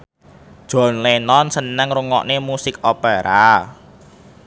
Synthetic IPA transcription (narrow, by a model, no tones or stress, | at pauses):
ʒ̥ɔ̤nlenɔnsənəŋruŋɔ̰ʔnemusɪkopeɾa